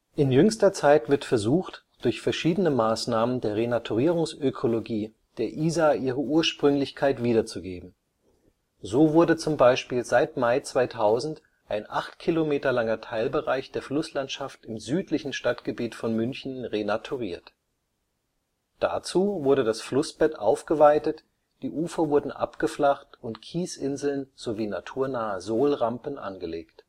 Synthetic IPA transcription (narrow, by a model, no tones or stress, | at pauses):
ʔɪnjʏŋstɐt͡saɪtv̥ɪɐtfɛɐzuːxt | d̥ʊɐçfɛɐʃiːdənəmaːsnaːməndeːɐʁenatʰuʁiːʁʊŋsʔøkʰoloɡiː | d̥eːɐʔiːzaʔiːʁ̞əʔuːɐʃpʁ̥ʏŋlɪçkʰaɪtv̥iːɾɐt͡suɡeːbm̩ | zoːvʊɐdət͡sʊmbaɪʃpiːlzaɪtmaɪt͡sv̥aɪtʰaʊzn̩t | ʔaɪnʔaχtkʰilomeːtɐlaŋɐtʰaɪlbəʁaɪçd̥eːɐflʊslantʃaftɪmzyːtlɪçn̩ʃtatɡ̥əbiːtfɔnmʏnçn̩ʁenatʰuʁiːɐt | d̥a̰t͡suːvʊɐɾədasflʊsb̥ɛtʔa̰ʊfɡ̥əvaɪtət | d̥iːʔuːfɐvʊɐdn̩ʔa̰pɡ̥əflaχtʊntkʰiːsʔɪnzl̩nz̥oviːnatʰuːɐnaːəzoːlʁampən̩ʔa̰nɡəleːkt